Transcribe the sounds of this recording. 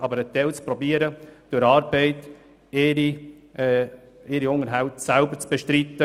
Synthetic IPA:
ɑbəɾət̪ɛlt͡spɾɔbiːəɾəd̥øɾɑːɾbɛɪt | eɾi | ɪɾiʊŋəɾɦaʊtsælbəɾt͡sb̥ɛʃtɾit̪ːə

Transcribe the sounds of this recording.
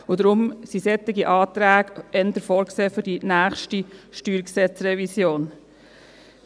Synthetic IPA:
ʊd̪ɾʊmsisɛt̪ːɪɡiʔɑːt̪ɾæːɡɛnd̪əɾfɔːɾkseːfʏɾdinæːχʃtiʃtyːɾksɛt͡sɾɛvisjoːn

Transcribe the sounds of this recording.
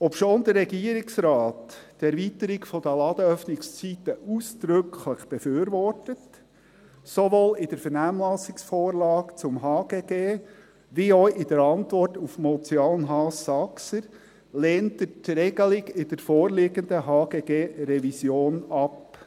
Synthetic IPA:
ɔpʃoːnd̪əɾɾɛɡiəɾɪksɾɑːttɛɾvit̪əɾikfɔd̥əlɑd̪əœfnɪkst͡sit̪əʔusd̪̥ɾʏkʰləχb̥efyːɾvɔrtət | soʋoːlɪd̥əɾfɛɾnæːmlɑsɪksfoːɾlɑːkt͡sʊmɦɑːɡ̥eːɡeː | ʋiɔʔɪd̥̪əɾɑnt̪vɔrtufmɔt͡sjɑːlənɦɑːsɑksəɾ | leːntətɾɛɡəlɪɡɪd̥̪əɾfoːrlɪɡənd̪əɦɑːɡ̥eːɡeːɾɛvisjoːnɑp

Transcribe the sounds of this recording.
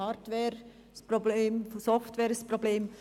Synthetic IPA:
ɑːɾtʋɛːɾ | sprobleːmsɔftʋɛːɾsprobleːm

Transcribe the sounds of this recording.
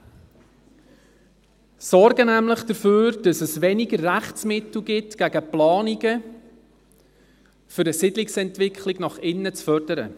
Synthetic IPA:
sɔɾɡənæmləχd̥əɾføːɾd̥ɑsəsʋɛnɪɡərːæχt͡smɪtl̩ˠɡɪtɡ̥æɡəplɑːniɡə | fʏɾəsɪdlɪksɛntʋɪkχlɪɡnɑχɪnːət͡sfœrdəɾə̰

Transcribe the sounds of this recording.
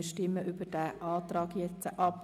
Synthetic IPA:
əʃtɪmːəʔybəd̥æʔɑːt̪ɾɑːɡjɛt͡səʔɑp

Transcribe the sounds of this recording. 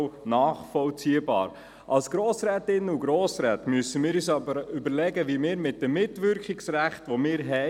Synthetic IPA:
nɑːχfɔlt͡siːəbɑ̰ːɾ | ʔɑlsɡ̥ɾoːsɾɛːtɪnuɡɾoːsɾɛːtmyəsəmɪːɾyːs̬ɑbəɾʏbəɾlɛɡəʋimɪːɾmɪt̚d̥əmːɪtʋʏɾkχɪksræχtʋomɪːɾɦɛ

